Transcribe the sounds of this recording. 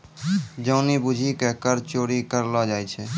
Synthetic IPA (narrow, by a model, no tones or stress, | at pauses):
d͡ʒəʊnibud͡ʒʱikɛkəɾt͡ʃoɽikəɾlɔd͡ʒajt͡ʃʰɛ